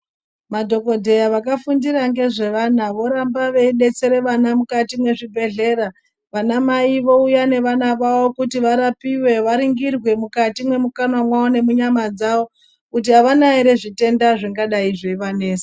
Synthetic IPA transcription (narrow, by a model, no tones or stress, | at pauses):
madʱo̞ko̞dʱe̞jaʋakafundiɾaŋɡe̞ʐe̞ʋanaʋo̞ɾambaʋeiɗe̞t͡se̞ɾeʋanamukatimwe̞ʐibʱe̞ɮe̞ːra | ʋanamaiʋo̞ujane̞ʋanaʋawo̞kutiʋaɾapiwe̞ʋaɾiŋɡirwe̞mukatimwe̞mukanamwawone̞muɲamad͡zawo̞ | kut̬iɦaʋanaeɾe̞ʐite̞ndaʐiŋɡaɗaiʐoiʋane̞ːse̥